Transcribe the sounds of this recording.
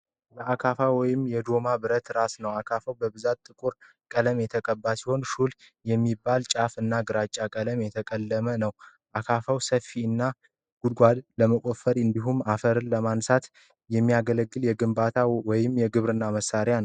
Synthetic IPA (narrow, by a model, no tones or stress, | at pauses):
bəʔakʰafawɔjɪmjɛd̪o̞mabɨɾət̪ɾasnəwakʰafawbəbɨzat̪ʼːɨkʼuɾ | kʼələmjɛt̪ʰəkʼəbːasiho̞nʃuljɛmːibːalt͡ʃʼafɨnːaɡɨɾat͡ʃʼːakʼələmjɛt̪ʰəkʼəlːəmənəw | ʔakʰafəwsəfːiɨnːa | ɡ̥ud̪̚ɡʷad̪ləməkʼofəɾɨnd̪iɦumːafəɾɨnləmansat̪ | jɛmːijaɡələɡːɨljɛɡɨmbat̪ʰawɔjɪmjɛɡɨβɾɨnːaməsaɾjanəw